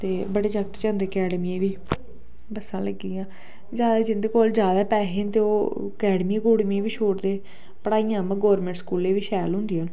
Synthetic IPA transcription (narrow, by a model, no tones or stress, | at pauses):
t̪eːbəɽeːt͡ʃəkt̪t͡ʃãːnd̪eːkɛːɖmiẽːʋiː | bəsãːləɡːiːãː | d͡ʒjaːd̪aːd͡ʒɪnd̪eːkoːld͡ʒjaːd̪aːpɛːɦeːnt̪eoː | əkɛːɖmiːɡoːɽmẽʋiːʃʰoːʈd̪eː | pəɽaːijãːmə̃ɡɔːɾmẽːɳʈskuːleːʋiːʃɛːlɦʊ̃nd̪iãːn